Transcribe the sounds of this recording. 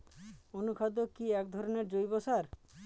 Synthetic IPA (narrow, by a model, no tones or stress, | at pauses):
onukʰad̪okiɛk̚d̪ʱɔɾɔneɾd͡ʑojbɔsaɾ